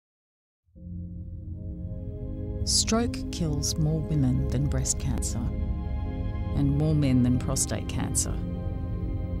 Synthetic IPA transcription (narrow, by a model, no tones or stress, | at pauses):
stɹ̥əʊkʰːɪlˠzmɔːwɪ̃mə̃nðə̃nbɹɛskʰæ̰̃nsə˞ | ə̃nmɔːmɛ̃nðə̃npʰɹ̥ɒstḛɪʔ̚kʰæ̰̃nsə̰